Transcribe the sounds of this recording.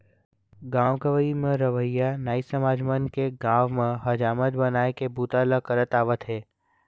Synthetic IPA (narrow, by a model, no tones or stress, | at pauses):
ɡãːʋkəʋəimẽɾəʋəjːanaːisəmaːd͡ʒmənkeɡãːʋmẽɦɐd͡ʒaːmət̪bɐnaːekebuːt̪aləkəɾət̪aːʋət̪ɦɛː